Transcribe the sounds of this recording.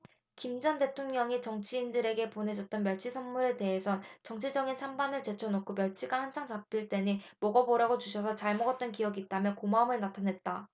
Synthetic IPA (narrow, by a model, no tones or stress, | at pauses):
kimd͡ʑʌnde̞tʰoŋɲʌŋit͡ɕʌŋt͡ɕʰiːndɯɾe̞ɡe̞pone̞d͡ʑʌt̚t͈ʌnmjʌɭt͡ɕʰisʰʌnmuɾe̞te̞ɦesʰʌnt͡ɕʌŋt͡ɕʰid͡ʑʌɡint͡ɕʰambanɯɭt͡ɕe̞t͡ɕʰʌnokʰomjʌɭt͡ɕʰiɡahand͡ʑʰaŋt͡ɕap͈̚iɭt͈e̞ɲimʌɡʌboɾaɡot͡ɕuɕʰʌsʰʌt͡ɕaɭmʌɡʌt̚t͈ʌnkijʌɡiːt̚t͈amjʌkomamɯɭnatʰanɦe̞t̚t͈a